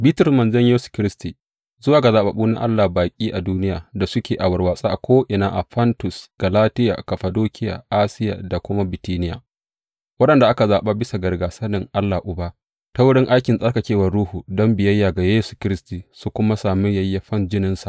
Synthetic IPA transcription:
bi˦tʊ˦rmɐ˨nzɐ˦ɲjeː˦su̥˨kʲɪ˦ɾɪ˦stiː˨ | zʊ˦waː˨ɡa˨zaː˨ɓa̰˨ɓuː˦na̰˦ʔa̰˦lːaː˨baː˨kʲʼiː˦ʔa˨duː˦nɪ˦ja̰ː˨da˨sʊ˦kʲeː˨ʔa˨wɐ˨rwaː˨sʼa˦ʔa˨kʷoː˦ʔɪ˨naː˦ʔa̰˨ɸɐ˦ntʊ˨sɡ̥ɐ˨laː˦tɪ˦ja̰˨kɐ˨ɸɐ˨doː˦kʲʰɪ˦ja̰ː˨ʔaː˦sɪ˦ja̰ː˨da˨kʷʊ˦ma˦bɪ˨tiː˦nɪ˦ja̰ː˨ | wɐ˦ɗɐ˨nda˨ʔa˦ka˨zaː˨ɓaː˦bɪ˦sa˨ɡɐ˨rɡaː˨sɐ˦nɪ˨ŋʔa˦lːaː˨ʔʊ˨baː˦ | ta˦wʊ˦ɽɪ˦ŋʔa˦jkʲɪ˨nsʼɐ˦rka˨kʲeː˦wɐ˨rɽuː˦huː˨dɔ˦mbɪ˨jɐ˦jːaː˨ɡa˨jeː˦su̥˨kʲɪ˦ɾɪ˦stiː˨su˦kʷʊ˦ma˦saː˨mɪ˦jɐ˦jːa˦ɸɐ˦nd͡ʒɪ˦nɪ˦nsa˨ʔ

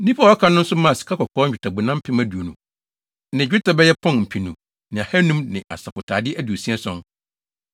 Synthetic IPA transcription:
nĩ˦pʰa˦˨ɔ˦kʰã˦nʊ̃˦n̩˦sʊ˦mã˦˨si̥˨kʰa˦kɔ˨kʰɔː˦ɲ̩ᶣ˨ɪ˨tʰa˨bu˨nã˦m˦pʰɪ̃˦mæ˦du˨o˨nũ˨ | nɪ̃˨d͡ʑᶣɪ˦ta˨bɛ˦jɛ˦pʰɔ̃˦˨n˨m̩˨pʰi˨nũ˨ | nɪ̃˨a˨hɛ˦nũ˦mnɪ̃˨ʔa̰˨sa˨pʊ˨tʰaː˨dɪ˦ʔæ˦du˨o˨sĩ˦ɛ˦sɔ̃˦n

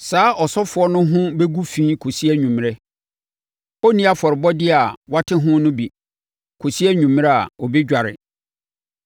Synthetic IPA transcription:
saː˨˦ʔɔ˨sɔ˦fʊ˨˦ɔ˦nʊ̃˦ɦʊ̃˦bɛ˦ɡu˦fĩː˦kʰo˨si˦ɛ˦ɲũ˨m˨ɾɛ˦ | ɔ˦nĩ˦a˦fɔ˨ɾɪ˨bɔ˦dɪ˦a˨wa˦tʰɪ˦ɦʊ̃˦nʊ̃˦bi˨ | kʰo˨si˦ɛ˦ɲᶣũ˨m˦ɾɛ˦a̰˨ɔ˨bi˦d͡ʑᶣa˨ɾɪ̰˨

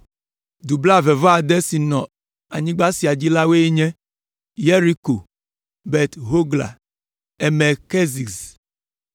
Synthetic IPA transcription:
d̪u˨bla˦˨vɛ˨vɔ˦a˨d̪ɛ˦si˨nɔ̃˨ | a˨ɲĩ˦ɡ͡ba˦si˨a˨d͡ʑi˦la˦we˦e˦ɲɛ̃˦ | je˦ɾi˦ko˨ | bɛ˨t̪ɦo˦ɡla̰˨ | ɛ˨mɛ˨ke˦zi˨s

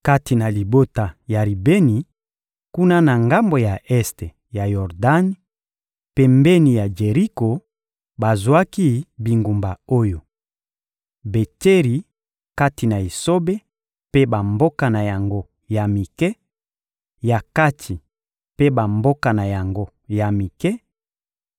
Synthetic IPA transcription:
ka˦ti˨na˨li˨bo˦ta˨ja˨li˨be˦ni˨ | ku˦na˦na˨ŋɡa˦mbo˨ja˨ʔɛ˦ste˨ | ja˨jɔ˨ʁda˦n˦ | pɛ˨mbɛ˦ni˨ja˨d͡ʒe˨ʁi˦ko˨ | ba˨zwa˦ki˦bi˨ŋɡu˨mba˨o˦jo˨ | be˨te˦ʁi˨ | ka˦ti˨na˨i˨so˦be˦ | pe˦ba˨mbo˦ka˨na˨ja˨ŋɡo˦ | ja˨mi˨kɛ˦ | ja˨ka˦tʰi˨ | pe˦ba˨mbo˦ka˨na˨ja˨ŋɡo˦ | ja˨mi˨kɛ˦

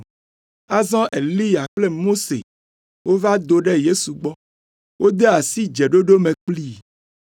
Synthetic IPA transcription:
a˦zɔ̃˦ʔe˨li˦ja˨k͡ple˦mo˦sḛ˨ | wo˦va˦d̪o˨ɖɛ˦je˦su˨ɡ͡bɔ˦ | wo˦d̪e˦a˨si˦d͡ʒɛ˨ɖo˦ɖo˦mẽ˨k͡pli˦˨

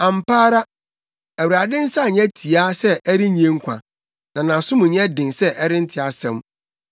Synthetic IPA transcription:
ã˨m˨paː˦ɾa˦ | æ˨wu˨ɾa˨dɪ̃˦n̩˦sa˦˨ɲɛ̃˦tʰi˨a˦sɛ˦ɛ˦ɾɪ˦ɲĩ˨˦ẽ˦ŋ̩˦kʷʰã̰˨ | nã˨nã˨sʊ̃˦mũ˨ɲɛ̃˦dɪ̃˨nsɛ˦ʔɛ˦ɾɪ̃˦n̩˦tʰɪ˨a˨sɛ̰̃˦m

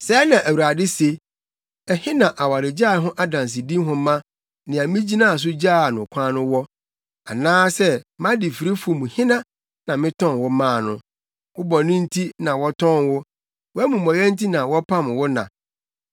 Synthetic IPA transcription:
sɛ˦nã˨ʔæ˨wɾa˨dɪ˦se˦ | ɛ˨hɪ̃˦nã˨ʔa˨wa˨ɾɪ˨d͡ʑa˦˨ɦʊ̃˦ʔa˦dã˨ns̬ɪ˨dĩ˦m˦ɦʊ̃˦mã˦ | nɪ̃˨ã˨mĩ˦d͡ʑi˦nã˦˨a˨s̬ʊ˦d͡ʑaː˦˨nʊ̃˨kʷʰã˦nʊ̃˦wɔ˦ | a˨nãː˦sɛ˦mã˦dɪ˨fi˨ɾe˦fu˨o˨mũ˨hɪ̃˦nã˦ | nã˨mɪ̃˦tʰɔ̃˦nwʊ˦mã˦˨nʊ̰̃˦ | wʊ˦bɔ˨nɪ̃˦n̩˦tʰi˦nã˨wɔ˦tʰɔ̃˦˨nwʊ˦ | wɔ˦æ˦mũ˨mɔ̃˨jɛ̃˦n̩˦tʰi˦nã˨wɔ˦pʰã˦m˨wʊ˦nã̰˨

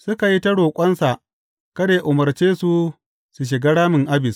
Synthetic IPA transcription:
sʊ˦ka˨ji˦tɐ˦ɽoː˨kʷʼɐ˦nsa˨ʔ | kɐ˦deː˨ʔʊ˨mɐ˨rt͡ʃeː˦su˨ | su˨ʃ̬ɪ˨ɡa˦ɽaː˦mɪ˨ŋʔa˦bɪ˨s

